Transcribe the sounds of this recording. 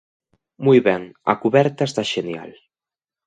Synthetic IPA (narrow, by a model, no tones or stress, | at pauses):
mujβɛŋɐ̰kuβɛɾt̪aest̪aʃenja̰l